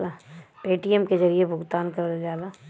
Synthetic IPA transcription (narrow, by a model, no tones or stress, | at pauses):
lapeːʈijəmkezɐɾijebʱʊɡt̪aːnkɐɾld͡ʒaːlaː